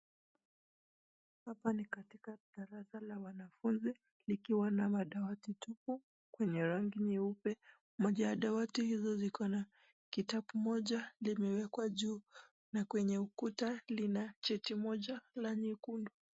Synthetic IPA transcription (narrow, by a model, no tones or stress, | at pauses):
hapanikatikaɗaɾasalawanafunzi | likiwanamaɗawatitupu | kwɛɲɛɾaŋɡiniupɛ | mɔʄajaɗawatihizɔzikɔna | kitaɓumɔʄalimɛwɛkwaʄuː | nakwɛɲɛukutalinat͡ʃɛtimɔʄalaɲikundu